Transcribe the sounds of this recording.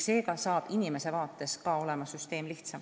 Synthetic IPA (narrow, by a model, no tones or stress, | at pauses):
se̞ːɡɑsɑːb̥inime̞se̞vɑːt̪ːˑe̞skɑo̞le̞mɑsyst̪e̞ːmliht̪sɑm